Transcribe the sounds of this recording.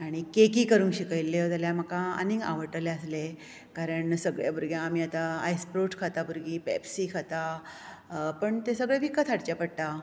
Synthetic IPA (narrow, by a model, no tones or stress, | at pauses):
aɽ̃ikekiːkəɾuːnkɕikəjlːet̪aljaməkaə̰niŋɡa̰ʋəʈəleəsle | kaɾəɳsəɡɭja̰buɾɡjãːmiːat̪aa̰jspɾoʈkʰat̪abuɾɡiːpɛ̰psiːkʰat̪a | pəɳt̪esəɡɭjebʱiːkət̪ʰaɽt͡ɕapəɽt̪a